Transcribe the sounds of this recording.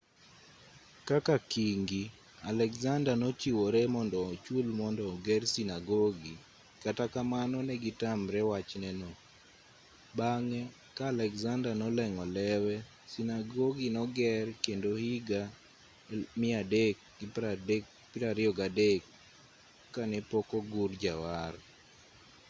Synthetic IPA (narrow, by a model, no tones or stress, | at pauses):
kakakiŋɡi | alɛkzandanɔt͡ʃiwoɾɛmɔndɔt͡ʃulmɔndɔɡɛrsinaɡɔɡi | katakamanɔnɛɡitamɾɛwat͡ʃnɛnɔ | baŋɛ | kaːlɛkzandanɔlɛŋɔlɛwɛ | sinaɡɔɡinɔɡɛrkendohiɡa | mɪadekɡi | piɾaɾɪɔɡadekː | anɛpɔkoɡurd͡ʒawar